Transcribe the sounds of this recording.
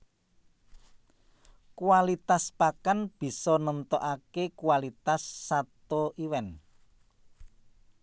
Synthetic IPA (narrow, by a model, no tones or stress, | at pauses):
kuwalit̪aspakanb̥i̤sɔnənt̪ɔʔakekuwalit̪asːat̪oʔiwɛn